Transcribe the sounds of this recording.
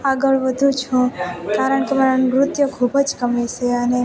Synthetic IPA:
aɡəɭʋəd̪ʱũt͡ʃʰũkaɾəɳkemanɾʊt̪jəkʰubəd͡ʒkəmeʃeəne

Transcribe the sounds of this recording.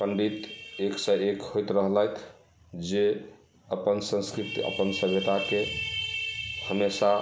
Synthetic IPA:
kənɖit̪eksəekhojt̪ɾəɦlɛjt̪ʰ | d͡ʒe | əpənsə̃skɾit̪iə̰pənsəbʱjət̪ake | həmesa

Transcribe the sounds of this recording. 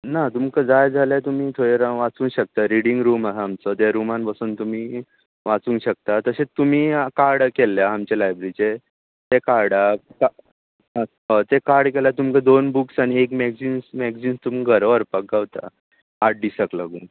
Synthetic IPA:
nat̪umkəd͡zajd͡zʱaljat̪um̤iːt̪ʰoɽeɾaʋat͡sũːɕək̚t̪aɾiɽiŋɡɾuːmasaːmt͡sɔt̪jaɾumanpasuːnt̪um̤iː | ʋat͡sũːnɕək̚t̪at̪əsẽt̪um̤iːkaɾɽkelːjaːmt͡ɕalajbɾit͡ɕe | t̪ekaɾɖaka | ɦɔt̪ekaɾɖkelat̪umkad̪onbuksaɽ̃iekmɛɡd͡ʑinsmɛɡd͡zinst̪um̤iɡʱəɾʋəɾpak̚ɡawt̪a̰ | aɽɖisəkləɡuːn

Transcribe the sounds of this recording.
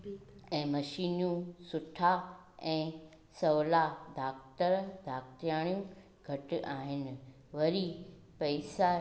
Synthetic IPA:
ɛ̃ːmɐʃiːnũsʊʈʰa | ɛ̃ː | sɐʋlad̪ʱaːkt̪əɾd̪ʱaːkt̪jãːijũ | ɡʱɐʈɪaːɦɪnɪ̆ | ʋɐɾi | pɐɪsa

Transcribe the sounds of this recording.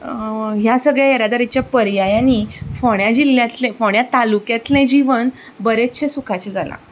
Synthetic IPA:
ɦjasəɡɭjaeɾad̪aɾit͡ɕjapəɾjajanifoɽjad͡ʑiljat̪lẽfoɳ̃jat̪alukjat̪lẽd͡ʑiʋən | bəɾet͡ɕʰesukʰat͡ɕed͡zalã̰

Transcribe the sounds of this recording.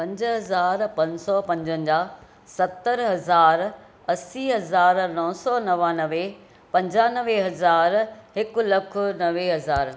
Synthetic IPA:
pɐ̃ɲd͡ʑɦɐzaːɾpɐ̃ɲsɔpɐ̃ɲd͡ʑə̃nɪd͡ʑaː | sɐt̪ːəɾɦɐzaːɾ | ɐsiɦɐzaːɾnɔɦsɔnɐʋaːnɐʋe | pɐ̃ɲd͡ʑaːnəʋeɦɐzaːɾɦɪkʊ̆lɐkʰʊ̆nɐʋeɦɐzaːɾ

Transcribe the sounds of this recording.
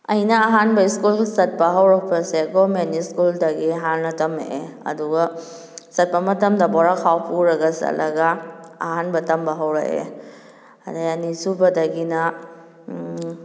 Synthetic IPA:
ɐjnɐːɦanbɐiskulsɐt̚pɐɦɐwɾak̚pʰaseɡɔmeniskuldɐɡiɦanlɐtɐmḛeɐ̰duɡa | sɐt̚pɐmɐtɐmdɐbɔɾakʰawpʰuɾɐɡɐsa̰lʔɐɡaɐɦanbɐtɐmbɐɦɐwɾa̰ʔḛ | adajanisubɐdɐɡinɐ

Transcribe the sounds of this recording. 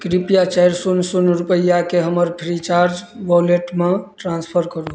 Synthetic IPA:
kɾipijat͡ʃajɾsunsunɾupəjakeɦəməɾpʰɾit͡ʃaɾd͡ʒbɔleʈmẽʈɾãnspʰəɾkəɾu

